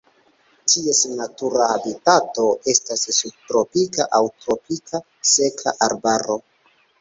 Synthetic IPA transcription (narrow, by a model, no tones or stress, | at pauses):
tʰie̞snatuɾaːbitato̞ʔe̞stasːub̚tɾo̞pikaʔawtɾo̞pikʰa | se̞kʰa̰ʔaɾbaɾo̞